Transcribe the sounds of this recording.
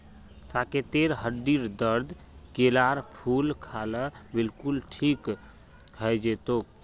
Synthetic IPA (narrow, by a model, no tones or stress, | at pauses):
saket̪eɾɦəɖiɾd̪əɾd̪ | kelaɾpʰulkʰaləbɪlkulʈʰik | ɦəjd͡ʒet̪ok̚